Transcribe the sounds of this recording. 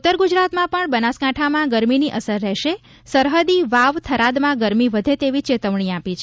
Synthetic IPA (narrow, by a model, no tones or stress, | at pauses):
ut̪ːəɾɡud͡ʒɾat̪mãpəɳbənaskaʈʰamãɡəɾminiʔəsəɾːɛʃe | səɾɦəd̪iʋaʋt̪ʰəɾad̪mãɡəɾmiʋəd̪ʱet̪eʋit͡ʃet̪əʋɳiapit͡ʃʰ